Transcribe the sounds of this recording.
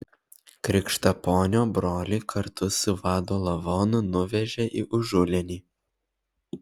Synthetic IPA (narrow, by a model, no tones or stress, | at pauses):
kɾʲɪkʃt̪ɐpoːnʲoːbɾoːlʲikʰɐɾt̪ʊsʊʋɑːd̪oːlˠɐʋɔːnʊnʊʋʲɛʒʲɛʔiʔʊʒʊlʲɛnʲiː